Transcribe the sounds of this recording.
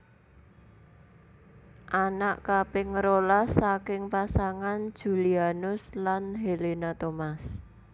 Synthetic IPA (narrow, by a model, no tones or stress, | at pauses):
ʔanaʔkapɪŋɾolasakɪŋpasaŋan̥ʒ̥ṳlianʊslanɦelenat̪omas